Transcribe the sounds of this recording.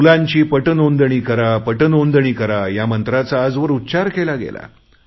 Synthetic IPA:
ulãɲt͡ɕiːpəʈənond̪əɳ̃iːkəɾapəʈənond̪əɳ̃iːkəɾajamənt̪ɾat͡saːd͡zʋəɾutːɕaɾkelaɡḛla̰

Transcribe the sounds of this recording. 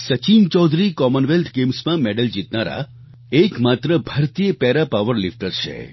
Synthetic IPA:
sət͡ʃint͡ʃɔd̪ʱɾikɔmənʋelʈʰɡemsmãmeɖəld͡ʒit̪naɾa̰ | ekmat̪ɾəbʱəɾt̪ijəpɛɾapaʋəɾlifʈəɾt͡ʃʰḛ

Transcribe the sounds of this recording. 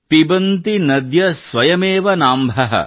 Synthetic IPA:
p̪ibɐnt̪inɐd̪jɐsʋɐjɐmeːʋɐnaːmbʱɐɦɐ̰

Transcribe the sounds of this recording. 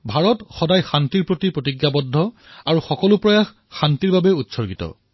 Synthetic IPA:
bʱaɹɔtxɔdajxantiɹpɹotipɹotiɡjabɔdʱːɔ | aɹuxɔkɔlʊpɹɔjax | xantiɹbabɛutsɔɹɡitɔ̰

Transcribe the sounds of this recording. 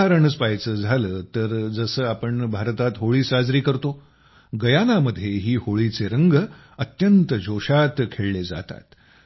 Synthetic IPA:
aɾəɳəspajt͡səːd͡zʱaləːt̪əɾd͡zəsəːapəɳbʱaɾt̪at̪ɦoɭiːsad͡zɾiːkəɾt̪o | ɡəjanaməd̪ʱːjeɦiːhoɭiːt͡seɾəŋɡ | ət̪jənt̪əd͡ʑʱoɕat̪kʰeɭled͡za̰t̪a̰t̪

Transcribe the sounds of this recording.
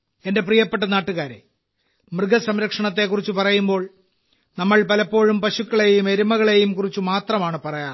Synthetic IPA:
e̞nde̞p̬rijɐpːe̞ʈ̬ːɐnaːʈːuɣaːɾḛ | mrɨɡɐsɐmɾɐkʂɐɳɐt̪ːe̞kːurit͡ɕːupɐrɐjumbo̞ːɭ | nɐmːɐɭpɐlɐpːo̞ːɻumpɐɕukːɐɭe̞jume̞ɾumɐɣɐɭe̞jumkurit͡ɕːumaːt̪rɐmaːɳɨpɐrɐjaː

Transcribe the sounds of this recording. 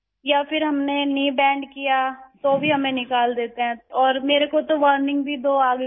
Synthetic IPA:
japʰɪɾɦɐmneniːbɛ̃ːɳɖkijat̪oːbʱiɦɐmẽnɪkaːld̪eːt̪eɦɛ̃ɔːɾmeːɾekot̪oʋəɾnɪ̃ŋɡbʱid̪oːaːɡ

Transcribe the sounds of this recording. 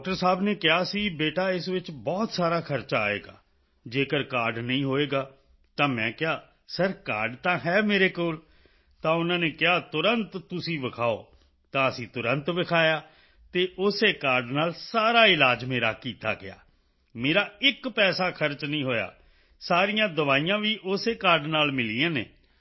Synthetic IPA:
ɔːk̚ʈəɾsaːbneːkɪɦaːsĩːbeːʈaːɪsʋɪt͡ʃbɔːt̪saːɾaːkʰəɾt͡ʃaa̰ːḛːɡa̰ː | d͡ʒeːkəɾkaːɾɖnəĩːɦoːeːɡaː | t̪ãːmɛ̃ːkɪɦaː | səɾka̰ːɾɖt̪ãːɦɛːmeːɾeːkoːl | t̪ãːʊnãːneːkɪɦaːt̪ʊɾənt̪ːʊsĩːʋɪkʰaːo̰ː | t̪ãːəsĩːt̪ʊɾə̃nt̪ʋɪkʰaːjaː | t̪eːʔʊseːkaːɾɖnaːlsaːɾaːɪlaːd͡ʒmeːɾaːkiːt̪a̰ːɡɪ̰ja̰ː | meːɾaːɪkpɛːsaːkʰəɾt͡ʃnəĩːɦoːja̰ː | saːɾijãːd̪əʋaːiːjãːʋiːʔʊseːkaːɾɖnaːlmɪliːãːnḛː

